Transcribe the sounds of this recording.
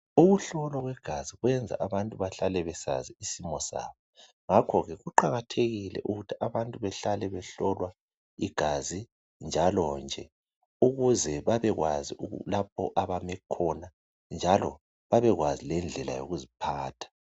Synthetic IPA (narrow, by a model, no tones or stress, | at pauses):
uɣuɬɔlɔɣwɛɡ̥ʱaziɣwɛnd͡zʱa̰ʔaβantʼuβaɬalɛβɛsa̰ziisimɔsa̰ːβɔ | ŋakʰɔɣɛɣuǃaɣatʰeɣilɛ̰ʔuɣutʰiaβantʼuβɛɬalɛβɛɬɔlwa | iɡ̥ʱazi | nd͡ʒʱalɔnd͡ʒʱɛ | uɣuzɛβaβɛɣwaziṵlap̚ʰɔ̰ʔaβamɛkʰɔna | nd͡ʒʱalɔ̰ | βaβɛɣwazilɛnd͡ɮʱɛla̰jo̰ɣuzipʰaːtʰḁ